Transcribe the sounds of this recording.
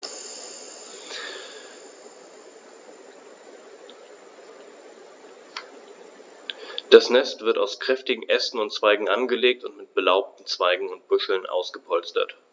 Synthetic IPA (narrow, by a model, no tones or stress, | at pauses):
d̥asnɛstv̥ɪɐtaʊskʁ̥ɛftɪɡŋ̩ʔɛsn̩ʊntt͡sv̥aɪɡŋ̩ʔanɡəleːk̚tʊntmɪt̚b̥əlaʊp̚tn̩t͡sv̥aɪɡŋ̩ʊnt̚b̥ʊʃl̩nʔa̰ʊsɡ̥əpʰɔlt͡stɐ̰t